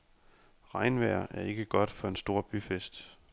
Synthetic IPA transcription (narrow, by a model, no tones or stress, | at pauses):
ʁɑ̈ɪnʋæɐ̰ʔæɐe̝ɡ̥əɡ̥ɒ̽d̥fɒ̽e̝nsd̥o̝ɐ̰b̥yfesd̥